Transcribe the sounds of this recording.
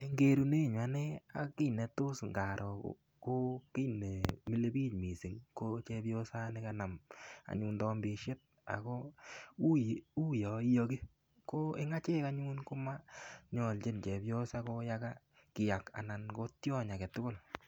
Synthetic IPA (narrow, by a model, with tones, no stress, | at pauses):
e˦ŋɡe˦ɾu˧ne˦˨ɲa˨ne˦a̰˨ki˦nɛ˨to˦sŋɡa˨ɾʔɔ˨o̰˨ | ko˦ki˦ne˨mi˦le˦bi˦tmi˨si˨ŋko˦t͡ʃe˧pjo˦sa˦ne˦ka˦na˨ma̰˨ɲu˧ndɔ˦mbe˧ʃe˦t̚ | a̰˨ko˦u˦u˦jɔ˨i˦jo˧ke˦ | ko˦e˦ŋa˦t͡ʃe˦ka˦ɲu˦nko˦ma˦ɲɔ˨lt͡ʃe˦nt͡ʃe˨pjo˦sa˦ko˦ja˦ka˦ | kɪ˨ja˨ka̰˨na˨nko˦tjɔ˦ɲa˨ke˨tʊ˦kʊ˦˨l